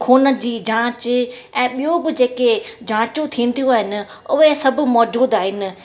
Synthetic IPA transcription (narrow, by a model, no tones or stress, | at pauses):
kʰoːnə̆d͡ʑiːd͡ʑãːt͡ɕɛ̃ːɓijũbɪ̆d͡ʑeːked͡ʑãːt͡ɕũt̪ʰiːnɪ̆t̪ʰijũaːɦɪnɪ̆ʊɦesɐbʱʊ̆mɔːd͡ʑuːd̪aːɦɪnɪ̆